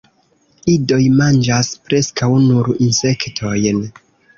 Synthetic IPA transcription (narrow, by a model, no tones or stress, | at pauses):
ido̞jmand͡ʒaspɾe̞skawnuɾinse̞ktʰo̞jn